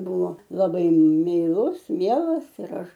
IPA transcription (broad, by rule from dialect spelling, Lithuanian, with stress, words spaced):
ˈbʊʋoː lˠɐˈbɐɪ mʲɛɪˈlˠʊs ˈmʲiɛlˠɐs ɪr ˈɐʃ